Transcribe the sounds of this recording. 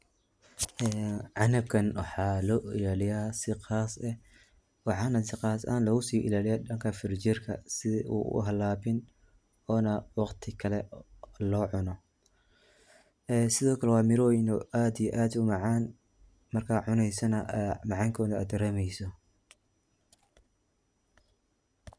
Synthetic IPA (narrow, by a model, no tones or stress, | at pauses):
ʔɛːʕɑnɐb̚kʰɐnwɑħɑːlɔːʔɪlaːlɪjaːsɪqaːsɛ | wɑħɑːnɐsɪqɑːsa̰ːnlɐɣʊsiːʔɪ̰laːlɪjaːɗɐŋkʰɐfɪrt͡ʃɪrkʰɐ̰sɪʔṵːʔʊ̰ɦɐlaːbɪn | ɔːnɐwɑqt̪ʰɪkʰɐlɛlɔːʕʊnɔ | ɛːsɪðɔːkʰɐlɛwɑːmɪɾɔːjnɔaːd̪ijɛʔaːd̪ʊmɑʕɑːn | mɐrkʰaːʕʊnɛjsɐnɐʔmɑʕɑːŋkʰɔːðɐɐ̰ːd̪ɡɐɾɛːmɛjsɔ